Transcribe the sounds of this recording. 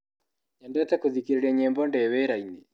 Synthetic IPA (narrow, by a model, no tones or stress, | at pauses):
ɲɛndɛt̪ɛkoðikiɾeɾiɛɲembɔndɛweɾaini